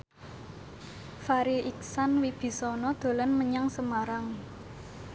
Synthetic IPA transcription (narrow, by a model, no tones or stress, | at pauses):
faɾiʔik̚sanwib̥i̤sɔnɔd̪̥o̤lanməɲaŋsəmaɾaŋ